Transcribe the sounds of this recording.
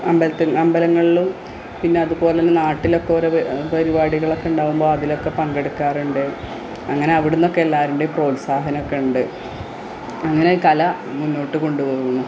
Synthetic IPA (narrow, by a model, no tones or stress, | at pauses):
ɐmbɐlɐt̪ːɨɐmbɐlɐŋːɐɭilum | pinːe̞ɐðubo̞ːlenːɨnaːʈːilo̞kːeoɾepɐɾibaːɽiɣɐɭo̞kːe̞uɳɖaːʋumbo̞ːɐðilo̞kːe̞pɐŋɡe̞ɽukːaːruɳɖɨ | ɐŋːɐne̞ɐʋiɽunːo̞kːeelːaːɾuɳɖepro̞ːlsaːɦɐnokːe̞uɳɖɨ | ɐŋːɐneiːkɐlɐ | munːo̞ːʈːɨko̞ɳɖuʋoːɣuɳːu